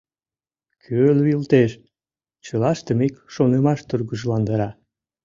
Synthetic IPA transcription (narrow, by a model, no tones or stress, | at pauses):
kʰøluilt̪eʃ | t͡ɕəlɑʃt̪əmikʃonemɑʃt̪urɣəʒlɑnd̪əɾɑ